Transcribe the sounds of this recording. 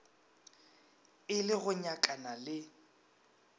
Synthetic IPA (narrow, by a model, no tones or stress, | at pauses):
ɪlɪɣʊɲakʼanalɪ